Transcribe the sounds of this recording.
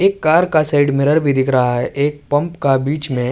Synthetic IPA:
eːkːaːɾkasaɪɖmɪɾəɾbʱid̪ɪkʰɾɐɦaɦɛʔeːk̚pɐ̃mpkabiːt͡ʃmẽ

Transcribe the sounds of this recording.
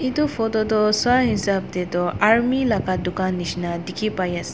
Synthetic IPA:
itupʰɔtɔtɔswaɦinsap̚dɛtɔaɹmilakadukanːisnadikʰipajas

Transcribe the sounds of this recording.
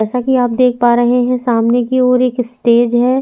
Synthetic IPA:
ɛːsakiaːp̚d̪eːk̚ʰpaːɾəɦeɦɛ̃saːmnekiɔːɾeːksʈeːd͡ʒɦɛː

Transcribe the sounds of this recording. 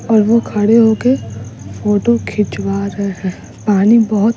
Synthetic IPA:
ɔːɾʋokʰɐɽeɦokefoːʈokʰɪt͡ʃʋaɾɐɦeɦɛː | paːnibɐɦʊt̪

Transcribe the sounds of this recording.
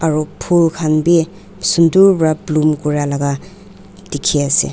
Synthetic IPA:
aɾupʰulkʰanbi | sunduɾbɾablumkuɾalaɡa | dikʰːiasḛ

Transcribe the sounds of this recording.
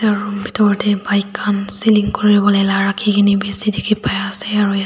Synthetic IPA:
aɹubitɔɹtɛbajkʰːansiliŋkoɹibɔlojlaɹakʰikʰinibisidikʰipajasɛaɹu

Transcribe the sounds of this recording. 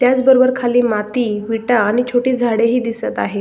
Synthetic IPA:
t̪jat͡sbəɾobəɾkʰaliːmat̪iːʋiʈaːɽ̃it͡ɕʰoʈiːd͡zʱaɽeɦiːd̪isət̪a̰ɦe

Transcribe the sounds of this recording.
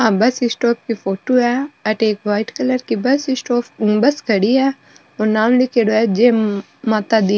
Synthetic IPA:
ɦãːbɐsɪsʈɔːp̚kifoːʈoɛɐʈeːkʋaːɪʈkɐləɾkibɐsɪsʈoːpbɐskɐɽiɛː | oɾnaːmlekeɽoɛd͡ʒeː | maːt̪ad̪i

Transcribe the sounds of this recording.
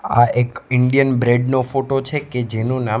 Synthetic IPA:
a̰ʔekɪɳɖijənbɾeɖnofoʈot͡ʃʰeked͡ʒenũna

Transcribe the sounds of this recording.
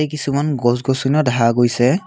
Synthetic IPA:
ejk̬isumanɡɔsɡɔsunɔdaɦaɡojsɛ

